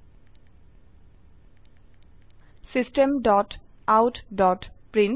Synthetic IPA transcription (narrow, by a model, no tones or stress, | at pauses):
sisʈemɖɔt | awtʰdɔtpɹin